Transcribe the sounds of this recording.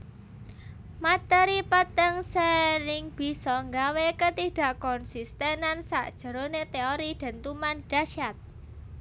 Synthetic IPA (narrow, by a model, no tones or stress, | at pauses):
mat̪ɛɾipət̪əŋsəɾɪŋb̥i̤sɔŋɡawekət̪iɖ̥ä̤ʔkɔnsist̪ɛnansa̰ʔd̥ʒ̥ə̤ɾonet̪eoɾid̪̥a̤nt̪umanɖ̥aʃat̪̚